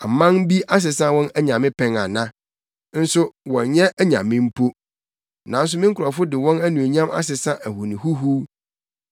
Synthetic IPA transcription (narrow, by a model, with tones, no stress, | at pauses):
a˨mã˦ŋbi˦a˦s̬ɪ˨sã˦wɔ̃˦næ˦ɲã˨mɪ̃˦pʰɛ̃˨ŋa˨nã˦ | n̩˦sʊ˦wɔ̃˨njɛ˦æ˦ɲã̰˨mɪ̃˦m̩˦pʰo˦ | nã˨n̩˦s̬ʊ˦mɪ̃˦ŋ̩˦kʰʊ˨ɾa˨fʊ˦dɪ˨wɔ̃˦næ˦nũ˨e˨ɲã˦ma̰˦s̬ɪ˨sã˦ʔæ˨hu˨nĩ˨hu˦ɦu˦